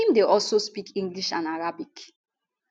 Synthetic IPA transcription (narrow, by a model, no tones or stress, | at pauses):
ĩmdeʔɔlsospikĩŋɡliʃã̰naɹabik